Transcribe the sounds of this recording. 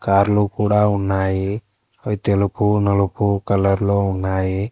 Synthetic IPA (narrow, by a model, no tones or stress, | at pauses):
kaːɾlukuːɽaːunːaːji | ɐit̪elupunɐlupukɐlɐɾloːunːaːji